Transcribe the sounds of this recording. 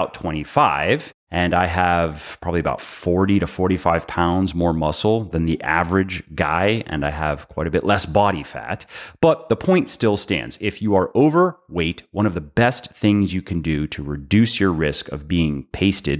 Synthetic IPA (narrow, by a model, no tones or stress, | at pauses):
ʊtʰw̥ɛ̃ɾ̃ifaɪv̥ | ʔɨ̃naɪəv̥pʰɹ̥ɑbəbliɨəba̰ʊtfɔɹɾiɾɨfɔɹɾifaɪv̥pʰãʊ̃ndzmɔɹmʌsl̩ˠðɨ̃nðiʔævə˞ɨd͡ʒɡa̰ɪɨ̰̃naɪəv̥kʰw̥aɪɾɨbɪʔlɛsb̥ɑɾifæ̰t̚b̥ʌt̪̚ðəpʰɔ̃ɪ̃ntstɪlˠstæ̰̃ndz̥ɪfjɨə˞ʔoʊvə˞weɪtwʌ̃ɾ̃ʌvðəbɛstθɪ̃ŋzjɨkʰɨ̃ndɨɾɨɹɨdʉsjə˞ɹɪskʌ̰vbiɪ̃ŋpʰeɪstɨd̥̚